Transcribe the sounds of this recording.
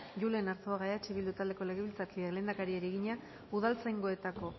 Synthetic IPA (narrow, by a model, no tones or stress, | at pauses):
ʝule̞naɾt̪oaɣaat͡ʃiβild̪ut̪ald̪e̞ko̞le̞ɣeβilt͡sakiele̞ːnd̪akaɾieɾieɣiɲa | uð̞alt͡sajŋɡo̞e̞t̪ako̞